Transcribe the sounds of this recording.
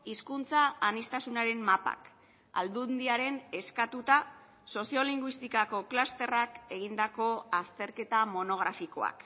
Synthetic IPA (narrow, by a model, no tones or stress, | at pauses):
iskunt͡saːnist̪asunaɾe̞mmapa̰k | a̰ld̪und̪iaɾe̞ne̞skat̪ut̪a | so̞sio̞liŋɡwist̪ikako̞klast̪e̞rake̞ɣ̞ind̪ako̞ast̪e̞ɾke̞t̪amo̞no̞ɣ̞ɾafiko̞̰a̰k